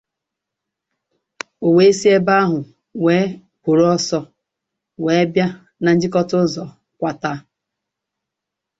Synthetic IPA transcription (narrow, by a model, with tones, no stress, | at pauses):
o˨we˦si˦e˦ba˦ɦʊ˨ | we˨˦ | pʊ˨ɾo˦ɔ˦sɔ˦ | weː˨˦bja˦ | na˨n̩˦d͡ʒɪ˦kɔ˦tʊ˦zɔ˨ | kʷa˦ta˦